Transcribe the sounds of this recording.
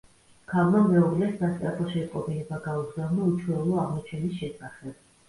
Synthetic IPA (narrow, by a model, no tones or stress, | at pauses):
kʰalˠmamɛɔɡlɛsmast̪ʼapʰʼɔʃɛiqʼɔpilɛbaɡauɡzalˠnaut͡ʃʰwɛulˠɔaʁmɔt͡ʃʰɛnisʃɛsaχɛb̥